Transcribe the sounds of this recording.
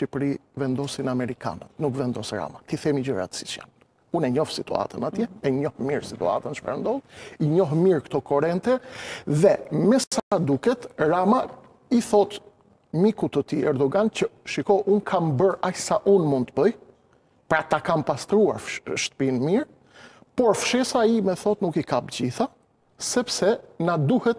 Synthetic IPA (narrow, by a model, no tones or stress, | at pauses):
ʃipɾivɛnd̪ɔsinamɛɾika̰nət̪nukvɛnd̪ɔsɾa̰mat̪iθɛmid͡ʑəɾa̰t̪si̥t͡ʃja̰n | unɛɲɔfsit̪ṵa̰t̪ənat̪jɛɛɲɔhmiɾsit̪ṵa̰t̪ənʃpɛ̰ɾnd̪ɔliɲɔɦmiɾkt̪ɔkɔɾɛnt̪ɛðɛmɛsaad̪ukɛt̪ɾama | iθɔt̪ | mikut̪ət̪iɛɾd̪ɔɡant͡ɕəʃikɔʔunkʰambəɾajsaʔunmund̪t̪əbəj | pɾat̪akampast̪ɾua̰ɾʃt̪ə̥pinmiɾ | pɔɾfʃɛsaimɛθɔt̪nukikapd͡ʑiθa | sɛpsɛnad̪uhɛt̪